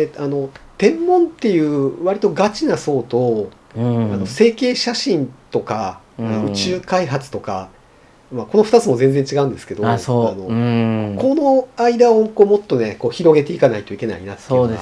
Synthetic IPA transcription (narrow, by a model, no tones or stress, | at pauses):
eano̞t̪ẽ̞mːõ̞nt̪e̞jɯ̟ːβaɾʲit̪o̞ɡat͡ɕinaso̞ːt̪o̞ | ano̞se̞ːke̞ːɕaɕĩnt̪o̞ka | anoɯ̟t͡ɕɨːkaiɦat͡sɨ̥t̪o̞ka | mako̞no̞ɸɯ̥t̪at͡sɨmo̞zẽ̞nd͡ze̞ɲ̟t͡ɕiɡaɯ̟̃nd̪esɨ̥ke̞d̪oano̞ko̞no̞aid̪ao̞komo̞t̪ːo̞ne̞ko̞ːçiɾo̞ɡe̞t̪e̞ikanait̪o̞ike̞na̰ḭnat̪ːee